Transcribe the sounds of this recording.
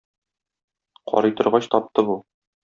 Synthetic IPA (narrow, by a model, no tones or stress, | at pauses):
qʰɒ̰ɾɤjt̪ŏɾʁɑɕt̪ɒp̚t̪ɤbu